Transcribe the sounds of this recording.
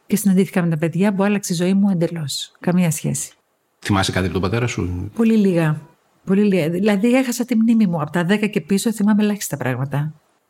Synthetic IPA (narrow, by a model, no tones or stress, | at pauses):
cesinɐnd̪iθi̥kɐme̞t̪ɐpeðʝɐpuɐlɐkseizo̞imue̞nd̪elo̞skɐmɲɐsçe̞̰si̥ | θimɐsekɐt̪iɐpot̪opɐt̪e̞ɾɐsṵpo̞liliɣɐ | po̞liliɣɐilɐðie̞xɐsɐt̪imnimimuɐpot̪ɐðe̞kɐce̞piso̞θimɐme̞lɐçi̥st̪ɐpɾɐɣmɐt̪ɐ